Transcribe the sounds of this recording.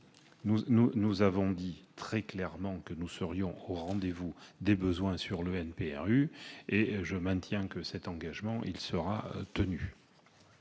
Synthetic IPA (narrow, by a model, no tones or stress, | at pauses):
nununuzavɔ̃d̪it̪χɛklɛʁmɑ̃kənusəʁjɔ̃oʁɑ̃d̪evud̪ebəzwɛ̃syʁləɛnpeɛ̰ʁyeʒəmɛ̃t̪jɛ̃kəsɛt̪ɑ̃ɡaʒmɑ̃ʔilsəʁat̪əny